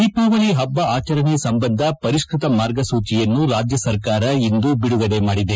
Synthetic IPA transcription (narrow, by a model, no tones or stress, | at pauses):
iːpuːʋɐniɦɐbːɐaːt͡ʃɐɾɐɳesɐmbɐnd̪ʱɐpɐɾiʃkɾit̪ɐmaːɾɡɐsuːt͡ʃijɐnːuɾaːd͡ʒjɐsɐɾkaːɾɐind̪ubiɽuɡɐle̞maːɽid̪e